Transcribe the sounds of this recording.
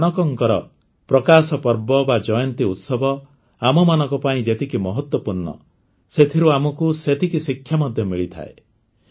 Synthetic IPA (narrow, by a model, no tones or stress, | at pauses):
ñɔkɔŋkɔɾɔ | pɾɔkasɔpɔɾbɔbad͡ʒɔjɔnt̪iut̪sɔbʱɔ | amɔmanɔ̃ŋkɔpaĩd͡ʒet̪ikimɔɦɔt̪wɔpuɾɳɔ̰ | set̪ʰiɾuamɔkuset̪ʰikisikʰːjamɔd̪ʱjɔmiɭit̪ʰa̰ḛ